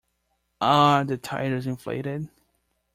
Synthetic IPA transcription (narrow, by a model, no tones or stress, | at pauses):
ʔəðɨtʰa̰ɪɾə˞zɨ̃nflḛɪɾɪd̚